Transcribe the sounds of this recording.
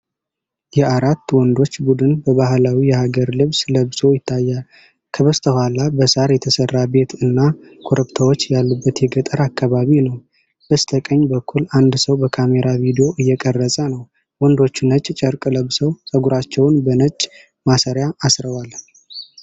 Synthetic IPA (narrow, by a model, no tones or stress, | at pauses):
jɛʔaɾat̪ːwɔnd̪o̞t͡ʃːbud̪ɨnbəβaɦlawijɛhaɡəɾlɨβsləβso̞jɪt̪ʰːajːal | kʰəβəst̪ʰəhʷalabəsaɾjɛt̪ʰəsərːabe̞t̪ɨnːakʰoɾəβt̪ʰawot͡ʃːjalːubːət̪jɛɡət̪ʼəɾakʰːaβaβinəw | b̥əst̪ʰəkʼəɲːbəkʰːuland̪səwbəkʰame̞ɾavid̪io̞ʔɨjːɛkʼərːəsʼənəw | wɔnd̪o̞t͡ʃːunət͡ʃʼt͡ʃʼəɾkʼləβsəwsʼəɡuɾat͡ʃːɛwnbənət͡ʃʼ | masəɾjaːsɾəwal